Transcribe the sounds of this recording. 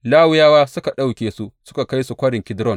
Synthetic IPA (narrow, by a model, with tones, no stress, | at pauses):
laː˦wʊ˦jaː˦waː˦sʊ˦ka˨ɗa˦˨wkʲeː˨su˦sʊ̥˦ka˨ka˦jsu˨kʷɐ˦ɽɪ˨ŋkʲɪ˦dɾɔ˦˨n